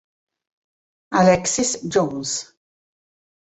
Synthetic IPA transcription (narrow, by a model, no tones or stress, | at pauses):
alɛksɪsd͡ʒowns